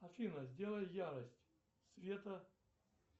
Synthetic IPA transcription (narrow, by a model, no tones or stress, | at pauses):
ɐfʲinəzʲdʲelˠəjjaɾəsʲtʲ | svʲet̪ə